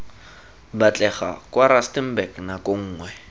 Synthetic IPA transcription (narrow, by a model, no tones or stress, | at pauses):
bat͡ɬʼɛχa̰kʼwaɾastɛm̩bɛknakʼoŋ̩ːŋwɛ